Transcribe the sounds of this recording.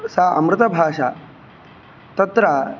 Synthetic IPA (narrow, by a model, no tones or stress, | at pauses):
saʔɐ̰mɾɨt̪ɐbʱaːʂa | t̪ɐt̪ɾa